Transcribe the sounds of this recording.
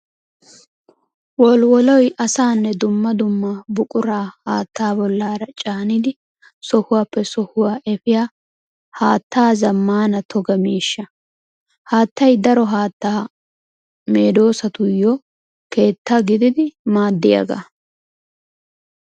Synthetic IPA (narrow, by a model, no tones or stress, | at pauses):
wɔlwɔlɔjʔɐsaːnːɛd̪ʊmːɐd̪ʊmːɐbʊkʼʊɾaːhaːt̪ʰːaːbɔlːaːɾɐt͡ʃʼaːnɪd̪ɪ | sɔhʊwaːpːɛsɔhʊwaːʔɛfɪjaː | haːt̪ʰːaːzɐmːaːnɐt̪ʰɔɡɐmiːʃːɐ | haːt̪ːɐjd̪ɐɾɔɦaːt̪ːaː | meːd̪o̞ːsɐt̪ʊjːɔ | ke̞ːt̪ːaɡɪd̪ɪd̪ɪmaːd̪ːɪjɐ̰ɡa̰